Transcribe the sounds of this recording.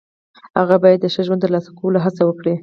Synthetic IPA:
ha̰ɣabɑjad̪̚ːəʃəʒwand̪t̪əɾlɑsḁkowlaɦat͡sawəkɽi

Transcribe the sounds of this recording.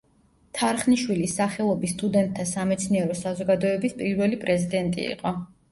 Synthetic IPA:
t̪ʰaɾχniʃwilisaχɛlˠɔbist̪ʼud̪ɛnt̪̚ʼʰːasamɛt̪sʰniɛɾɔsazɔɡad̪ɔɛbispʼiɾwɛlipʼɾɛzid̪ɛnt̪ʼḭḭqʼɔ

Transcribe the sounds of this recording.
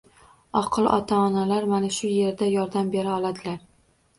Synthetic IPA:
ɒqʰɨlˠʔɒ̰t̪ʰaːnalaɾmanaʃʊje̞ɾd̪ajɒɾd̪ambe̞ɾaɒlˠad̪ɪlaɾ

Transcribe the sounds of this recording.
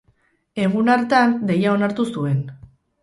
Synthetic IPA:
e̞ɣ̞unaɾt̪and̪e̞jao̞naɾt̪usue̞n

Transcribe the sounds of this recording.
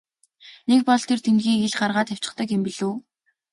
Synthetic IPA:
nek̚pɔɮt̪ʰert̪ʰent̪ɣiːeɮɢarʁaːt̪æw̥ʲt͡ɕɪ̆χt̪ə̆kɪmpiɮuː

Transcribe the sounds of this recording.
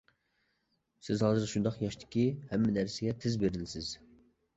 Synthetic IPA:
sɪzɦɑːzɨɾʃund̪ɑqjɑʃt̪ʰɪ̥kʲihɛmːɪnæɾsɪɡʲɛt̪ʰɪzbeɾɪlɪsɪz̥

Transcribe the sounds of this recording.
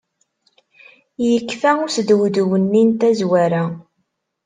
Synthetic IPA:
jəkːfæusd̪wd̪uwənːint̪æzwæɾæ

